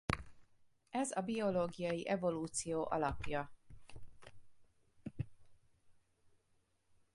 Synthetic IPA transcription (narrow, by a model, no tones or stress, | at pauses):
ɛzɒbio̞loːɡijɒjiʔɛvo̞luːt̪sijoːʔɒlɒpjɒ